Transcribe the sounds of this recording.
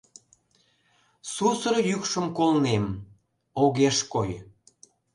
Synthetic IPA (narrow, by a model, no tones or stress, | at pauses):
susərjykʃə̆mkolnem | oɣeʃkoj